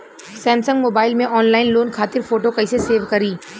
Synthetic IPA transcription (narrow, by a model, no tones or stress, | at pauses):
sɛ̃ːmsə̃ŋɡmoːbaːɪlmẽʔɔːnlaːɪnloːnkʰaːt̪ɪɾfoːʈokɐɪseseːʋkɐɾiː